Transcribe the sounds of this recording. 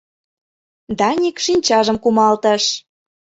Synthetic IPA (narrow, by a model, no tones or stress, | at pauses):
d̪ɑnʲikʃinʲt͡ɕɑʒəmkumɑlt̪ə̆ʃ